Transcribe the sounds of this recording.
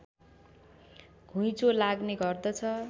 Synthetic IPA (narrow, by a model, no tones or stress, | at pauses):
ɡ̥ʱujt͡solaɡneɡʌrd̪ʌt͡sʰʌ